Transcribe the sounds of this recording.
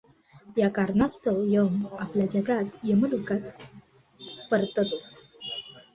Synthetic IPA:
jakaɾnast̪ojəmapljad͡ʑəɡat̪jəməlukat̪ | pəɾt̪ət̪o

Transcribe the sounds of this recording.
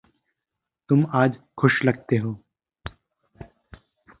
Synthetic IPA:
t̪ʊmaːd͡ʒ | xʊʃlɐɡ̚t̪eɦoː

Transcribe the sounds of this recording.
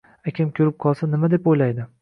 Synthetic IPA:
akʲʰɪmkʲʰɵɾɪp̚qʰɒlˠsanɪmad̪epojlajd̪ɪ

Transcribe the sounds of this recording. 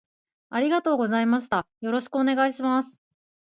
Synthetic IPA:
aɾʲiɡat̪o̞ːɡo̞zaimaɕi̥t̪ajo̞ɾo̞ɕi̥kɯ̟one̞ɡaiɕimasɨ̥

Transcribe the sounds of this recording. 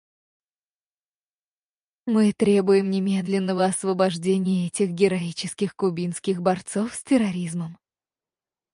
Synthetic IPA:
mɨt̪ɾʲe̞bʊjɪmnʲɪmʲe̞d̪lʲɪnːəvəɐsvəbɐʐdʲenʲɪjəɛtʲɪxɡʲɪɾɐit͡ɕɪskʲɪxkʊbʲinskʲɪɣbɐrt̪sofsʲtʲɪɾɐɾʲizməm

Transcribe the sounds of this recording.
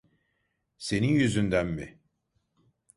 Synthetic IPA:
se̞ninjyzynd̪ænmḭ

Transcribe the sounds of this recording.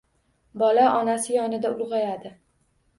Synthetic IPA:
bɒlaʔɒnasɪjɒnɪd̪aʊlˠʁɑjad̪ɪ

